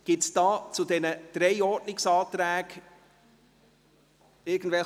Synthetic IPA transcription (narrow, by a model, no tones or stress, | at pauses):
ɡ̥ɪtsd̥ɑːt͡sʊd̪ɛnəd̪̥ɾɛɪɔːdnɪksɑːt̪ɾæːɡ̥ | ɪɡn̩d̥̪vɛl